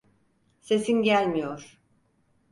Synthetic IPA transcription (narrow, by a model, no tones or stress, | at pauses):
se̞sinɟælʲmijoɾ̥